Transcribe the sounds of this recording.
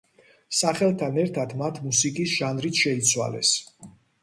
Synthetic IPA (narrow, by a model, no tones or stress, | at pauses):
saχɛlˠt̪ʰanɛɾt̪ʰad̪mat̪ʰmusikʼisʒ̥anɾit̪ʰʃɛit̪sʰwa̰lɛ̰s